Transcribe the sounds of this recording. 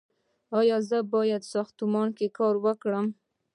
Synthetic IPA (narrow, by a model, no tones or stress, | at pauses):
ɑjɑzəbɑjad̪sɑxt̪ʊmɑnkekɑɾwəkɽəm